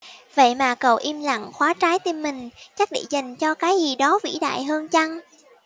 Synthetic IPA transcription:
və̰˧˨jmaː˨˩kə˨˩wʔi˧mla̰˧˨ŋxwaː˨˦t͡ɕaː˨˦jt̪i˧mːï˨˩ŋ̟t͡ɕa˦˥k̚ɗḭ˧˨za˨˩ŋ̟t͡ɕɔ˧kaː˨˦jzi˨˩ɗɔ˨˦vḭ˧˥ɗa̰ː˧˨jɦəː˧nt͡ɕa˧ŋ

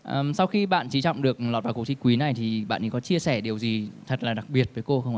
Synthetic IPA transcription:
ʔʔəː˨˩msa˧wxi˧ɓa̰ː˧˨nt͡ɕi˨˦t͡ɕɔ̰˧˨wŋ͡mɗɨ˨˩ək̚lɔː˨˩t̚vaː˨˩kət͡ɕi˧kwi˨˦na˨˩jt̪ʰi˨˩ɓa̰ː˧˨nt͡ɕḭ˨˦kɔ˨˦t͡ɕi˧əsɛ˧˩ɗi˨˩əwzi˨˩t̪ʰə˨˩t̚laː˨˩ɗa˨˩k̚ɓi˨˩ət̚vəː˨˦jko˧xə˧wŋ͡mə˧˨˦

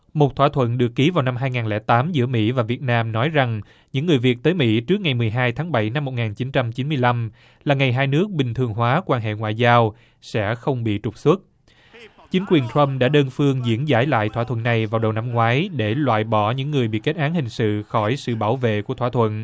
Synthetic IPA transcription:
mo˨˩t̚t̪ʰwaː˧t̪ʰwə̰˧˨nɗɨ˨˩əkːi˨˦vaː˨˩wna˧mɦaː˧jŋaː˨˩nlɛ̰˧˥t̪aː˨˦mzɨ̰˧˥əmḭ˧˥vaː˨˩vi˨˩ət̚naː˧mnɔ˨˦jza˨˩ŋ | ɲɨ̰˧˥ŋːɨ˨˩əjvi˨˩ək̚t̪əː˨˦jmḭ˧˥t͡ɕɨ˦˥ək̚ŋa˨˩jmɨ˨˩əjɦaː˧jt̪ʰaː˨˦ŋɓa˧˩jna˧mːo˨˩t̚ŋaː˨˩nt͡ɕi˨˦nt͡ɕa˧mt͡ɕi˨˦nmɨ˧əjla˧m | laː˨˩ŋa˨˩jɦaː˧jnɨ˦˥ək̚ɓï˨˩ŋ̟t̪ʰɨ˨˩əŋɦwaː˨˦kwaː˧nɦḛ˧˨ŋwa̰ː˧˨jzaː˧w | sɛ̰˧˥xə˧wŋ͡mɓḭ˧˨t͡ɕʊ˨˩k͡p̚swə˦˥t̚ | t͡ɕï˨˦ŋ̟kwi˨˩ənt̪ʰɹə˧mɗa̰ː˧˥ɗəː˧nfɨ˧əŋzḭ˧˥ənzaː˧˥˩jla̰ː˧˨jt̪ʰwa˧t̪ʰə̰˧˨nːa˨˩jvaː˨˩wɗə˨˩wna˧mŋwaː˨˦jɗe˧˩lwa̰ː˧˨jɓɔ˧˩ɲɨ̰˧˥ŋːɨ˨˩əjɓḭ˧˨ke˦˥t̚ʔaː˨˦nhï˨˩ŋ̟sɨ̰˧˨xɔ˧˩jsɨ̰˧˨ɓaː˧˩wvḛ˧˨ku˧˩ət̪ʰwaː˧˩t̪ʰwə̰˧˨n

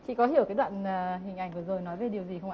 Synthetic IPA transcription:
t͡ɕʰḭ˧˨kɔ˨˦ɦi˧˨əwkaː˨˦ɗwa̰ː˧˨nː˨˩ɦï˨˩ŋ̟ʔa˧˩jŋ̟vɨ˨˩zo˨˩jnɔ˨˦jve˨˩ɗi˨˩əwzi˨˩xə˧wŋ͡mʔa˧˨

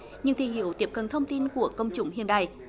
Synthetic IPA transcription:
ɲɨ̰˧ŋt̪ʰi˧˩hḭ˧˨əwt̪i˨˩əp̚kə˨˩nt̪ʰə˧wŋ͡mt̪i˧nku˧˩əkə˧wŋ͡mt͡ɕʊ̰˧˥˦ŋ͡mhi˧˨nɗa̰ː˧˨j

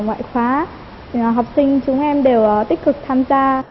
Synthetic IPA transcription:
ŋwa̰ː˧˨jxwaː˨˦˨ | ɦa˨˩wp̚sï˧ŋ̟t͡ɕʊ˨˦ŋ͡mʔɛ˧mɗe˨˩wt̪ï˦˥k̟̚kɨ˨˩k̚t̪ʰaː˧mzaː˧

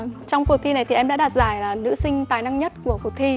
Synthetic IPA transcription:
t͡ɕɔ˧wŋ͡mku˨˩ək̚t̪ʰi˧na˨˩jt̪i˨˩ʔɛ˧mɗaː˧˥ɗaː˨˩t̚zaː˧˩jlaː˨˩nɨ̰˧˥sï˧ŋ̟t̪aː˨˩jna˧ŋɲə˦˥t̚ku˧˩əkk̚t̪ʰi˧

